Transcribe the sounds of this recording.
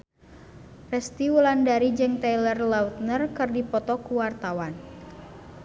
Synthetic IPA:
rɛst̪iwulandaɾid͡ʒɨŋt̪ajlərlaut̪̚nərkɨrdipɔt̪ɔkuwart̪awan

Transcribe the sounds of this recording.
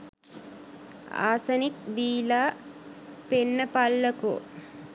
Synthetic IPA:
a̰ːsɐnik̚ʋiːlaː | penːəpalːəko̰

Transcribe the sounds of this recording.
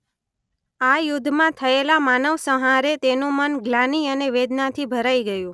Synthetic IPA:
ajʊd̪ʱːmãt̪ʰəelamanəʋsəɦaɾet̪enũmənɡlaniəneʋed̪nat̪ʰibʱəɾaiɡəjũ

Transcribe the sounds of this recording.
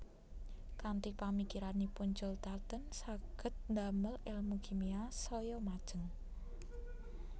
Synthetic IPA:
kant̪ipamikiɾanipund͡ʒɔlt̪at̪ənsaɡ̥ə̤t̪̚nd̪aməlelmuɡimiasɔjɔmad̥ʒ̥ə̤ŋ

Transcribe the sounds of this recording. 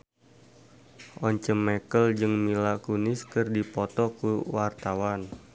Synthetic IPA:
ʔɔɲt͡ʃəmːɛkəld͡ʒɨŋmilakunɪskɨrdipɔt̪ɔkuwart̪awan

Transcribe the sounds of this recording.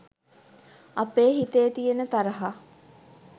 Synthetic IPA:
ɐpeːɦit̪ejːt̪ijenət̪aɾəɦa

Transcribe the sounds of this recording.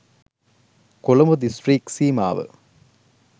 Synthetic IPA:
kɔlɐmɐd̪ɪsʈɾiːksiːma̰ːʋɐ̰

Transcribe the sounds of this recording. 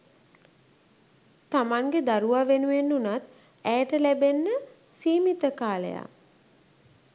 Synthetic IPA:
t̪amaŋɡed̪aɾuʋaːʋenuʋenːunat̪ | æjəʈəlæbenːə | siːmit̪əkaːlə̰ja̰

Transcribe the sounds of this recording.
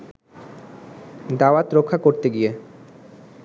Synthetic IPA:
d̪awat̪ɾokʰːakoɾt̪eɡie

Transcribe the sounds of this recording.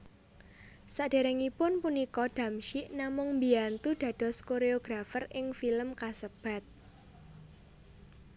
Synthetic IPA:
saɖ̥e̤ɾɛŋipʊnpunikɔɖ̥ä̤mʃiʔnamʊŋmbiant̪uɖ̥ä̤d̥ɔ̤skoɾeoɡ̥ɾafərɪŋfiləmkasəb̥a̤t̪̚

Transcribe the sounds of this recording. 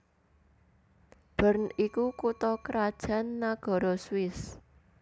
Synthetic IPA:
b̥ə̤ɾnikukut̪ɔkəɾad̥ʒ̥a̤nːaɡ̥ɔ̤ɾɔswɪs

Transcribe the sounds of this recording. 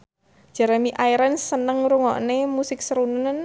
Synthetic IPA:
d͡ʒ̥aɾamiʔaiɾansənəŋɾuŋɔ̰ʔnemusɪk̚səɾunən

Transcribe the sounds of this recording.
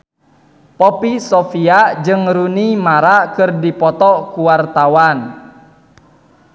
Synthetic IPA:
pɔpisɔfiad͡ʒɨŋɾunimaɾakɨrdipɔt̪ɔkuwart̪awan

